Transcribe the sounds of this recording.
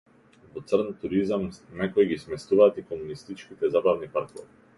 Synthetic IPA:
vɔt̪srnt̪uɾizamnɛkɔɛɡismɛst̪uvaːt̪ikɔmunist̪it͡ʃkit̪ɛzabavnipaɾkɔvi

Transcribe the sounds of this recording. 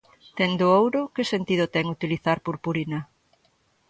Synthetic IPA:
t̪ɛnd̪ʊowɾʊkɪsent̪iðʊt̪ɛŋut̪iliθaɾpuɾpuɾinɐ

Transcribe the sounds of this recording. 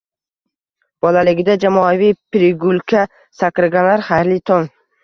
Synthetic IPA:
b̥ɒlalɪɡʲɪd̪ad͡ʒamɒavijpɾɪɡʊlˠkʰa | sakɾɪɡʲalaɾhaɾlɪt̪ʰon

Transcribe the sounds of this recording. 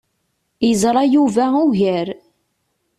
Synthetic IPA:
jəzˤɾˤɑjuvæuʝəɾ

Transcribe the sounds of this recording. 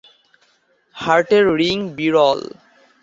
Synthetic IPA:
haɾʈeɾːiŋbiɾɔl

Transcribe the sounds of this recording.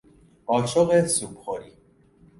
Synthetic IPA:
ɒːt͡ʃʰoɣesuːbχoɾiː

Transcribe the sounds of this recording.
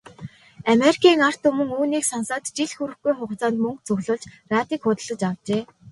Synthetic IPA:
ameɾi̥kʲʰiːŋar̥t̪ɵmɵ̆ŋuːniːksɔnsaːt̪t͡ɕiɮxuɾɘ̆xɡujχʊχt͡saːnt̪mɵŋk̚t͡sɵɣɮʊːɮt͡ɕraːt̪iːkχʊt̪ə̆ɮə̆t͡ɕawt͡ɕeː

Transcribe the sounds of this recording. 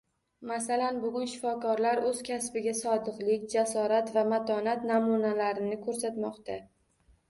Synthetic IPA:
masalanbʊɡʲʊnʃɪfɒkɒɾlaɾɵzkʲʰasbɪɡʲasɒd̪ɨqlɪkʲd͡ʒasɒɾat̪vamat̪ʰɒnat̪namunalaɾɪnɪkʰɵɾsat̪mɒqt̪a

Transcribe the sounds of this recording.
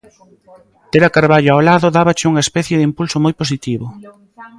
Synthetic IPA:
t̪eɾakaɾβaʎoawlaðʊðaβɐt͡ʃɪuŋɐespɛθjeðimpulsomojpos̬it̪iβʊ

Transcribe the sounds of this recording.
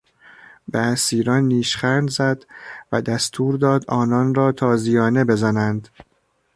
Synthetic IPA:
beæsiːɾɒnːiːʃχæɾd̪zæd̪væd̪æst̪ʰuːɾd̪ɒːd̪ɒːnɒnɾɒːt̪ʰɒːzijɒːne̞be̞zænænd̪

